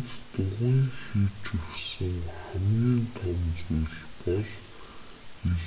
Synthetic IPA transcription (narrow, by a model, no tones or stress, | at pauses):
t̪t̪ʊʁiːŋxiːt͡ɕɵwsɘ̆ŋχæmɡʲiːnt̪ʰɔwmt͡sujɮpɔɮ | iɮ